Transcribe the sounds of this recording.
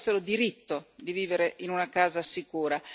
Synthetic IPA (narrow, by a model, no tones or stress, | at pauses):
sːeɾod̪iɾit̪ːod̪iviːveɾeʔinunakaːzasikuːɾa